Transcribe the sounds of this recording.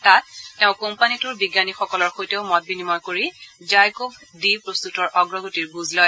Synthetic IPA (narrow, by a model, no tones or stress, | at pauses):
tat̚ːeʊ̃kompanitʊɹbiɡjanixɔkɔlɔɹxojteʊmɔt̚binimɔjkoɹizajkobʱdipɹost̪utɔɹʔɔɡɹɔɡotiɹbuzlɔj